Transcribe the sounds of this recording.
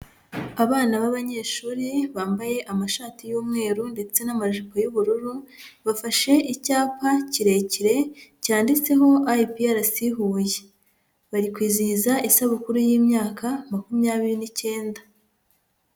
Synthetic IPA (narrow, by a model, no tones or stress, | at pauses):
aβaːnaβaβaɲe̞ːʃuːɾiβaːmbaje̞ʔamaʃaːtijuːmŋe̞ːɾunde̞t͡se̞namaʒipojuβuɾuɾuβafaʃe̞ʔicaːpaciɾe̞ciɾe̞caːndit͡se̞ɦo̞ʔaipijaɾasiɦuːje | βaɾikwiːzizaʔisaβukuɾujiːmɲaːkamakumjaːβiɾinice̞ːnda